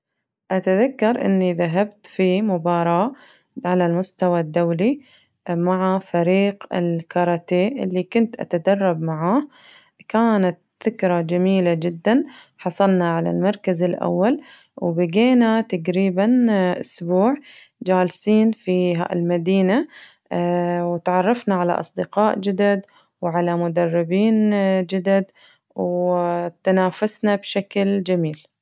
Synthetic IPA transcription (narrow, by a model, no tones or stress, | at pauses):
ʔat̪aðakːɑɾˤʔɪ̰nːiðaɦabt̪fimʊbɑːɾˤɑːʔ | ʕalalmʊst̪awad̪ːawli | maʕafaɾiːqɪ̰lkɑɾˤɑt̪eːʔɪlːikʊnt̪ʔa̰t̪ad̪ɑrˤːɑbmaʕaːh | kaːnat̪̚ | θɪkɾˤɑd͡ʒamiːlad͡ʒɪd̪ːan | ħɑsˤɑlnaʕala̰lmɑɾˤkazɪlʔa̰wːal | wbɪɡeːnat̪aɡɾiːbanʔʊ̰sbuːʕ | d͡ʒaːlsiːnfiɦa̰lmad̪iːna | wɪt̪ʕɑrˤːɑfnaʕala̰ʔɑ̰sˤd̪ɪqɑːʔd͡ʒɪd̪ad̪ | wʕalamʊd̪ɑrˤːɪbiːnd͡ʒɪd̪ad̪ | wt̪anaːfasnabʃakld͡ʒamiːl